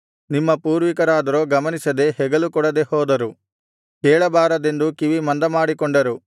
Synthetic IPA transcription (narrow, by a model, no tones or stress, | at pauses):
nimːɐpuːɾʋikɐɾaːd̪ɐɾoːɡɐmɐnisɐd̪e̞hɛɡɐlukɔɽɐd̪e̞hɔːd̪ɐɾu | kɛːɭɐbaːɾɐd̪e̞nd̪ukiʋimɐnd̪ɐmaːɽikɔɳɖɐɾu